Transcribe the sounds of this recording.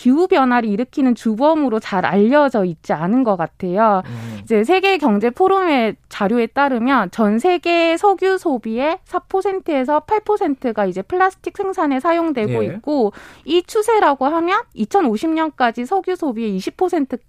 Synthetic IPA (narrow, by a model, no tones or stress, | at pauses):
kiubjʌnwaɾiiɾɯkʰinɯnt͡ɕubʌmɯɾot͡ɕaɾa̰ʎːʌd͡ʑʌit̚t͡ɕ͈ianɯnɡʌk͈atʰe̞joid͡ʑe̞s̬ʰe̞ɡe̞kjʌŋd͡ʑe̞pʰoɾone̞t͡ɕaɾjoe̞t͈aɾɯmjʌnt͡ɕʌnsʰe̞ɡe̞sʰʌɡjusʰobie̞sʰapʰosʰe̞ntʰɯe̞sʰʌpʰaɭpʰosʰe̞ntʰɯɡaid͡ʑe̞pʰɯɭːasʰɯ̥tʰik̚s͈ʰe̞ŋsʰane̞sʰajoŋdwe̞ɡoik̚k͈oit͡ɕʰusʰe̞ɾaɡoɦamjʌnit͡ɕʰʌnoɕʰimɲʌnk͈ad͡ʑisʰʌɡjusʰobie̞iɕʰipʰosʰe̞ntʰɯ